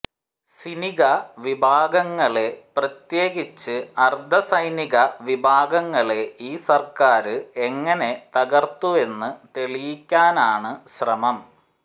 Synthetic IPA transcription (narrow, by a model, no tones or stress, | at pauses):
siniɣɐʋibʱaːɡɐŋːɐɭe̞prɐt̪jeːɡit͡ɕːɨɐrd̪ʱɐsɐjniɣɐʋibʱaːɡɐŋːɐɭe̞iːsɐrkaːɾɨeŋːɐne̞t̪ɐɣɐrt̪ue̞nːɨt̪e̞ɭijikʲːaːnaːɳɨɕrɐmɐm